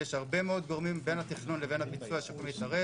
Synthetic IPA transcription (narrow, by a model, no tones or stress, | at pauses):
jeʃhaʁbe̞meod̪ɡo̞ʁmimbe̞nhat̪iχnunleve̞nhapit͡suaʃepomit̪aʁe